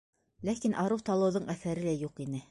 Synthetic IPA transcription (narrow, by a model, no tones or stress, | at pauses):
lækinʔɑɾuwt̪ɑlˠɤ̆wðoɴæθæɾɘlæjuqinɘ